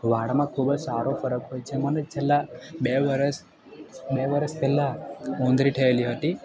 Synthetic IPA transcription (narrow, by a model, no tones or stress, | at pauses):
ʋaɽmãkʰubəd͡ʒsaɾofəɾəkɦojt͡ʃʰemənet͡ʃʰelːabeʋəɾəs | beʋəɾəspelːaõnd̪ʱɾiʈʰeeliɦət̪i